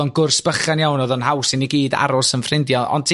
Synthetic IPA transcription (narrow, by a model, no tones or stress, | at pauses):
ɔnɡʊrsb̥əχanjawnɔðɔnhawsɪniɡiːda̰ɾɔsənfrɪndjɔʔɔ̰ntʰ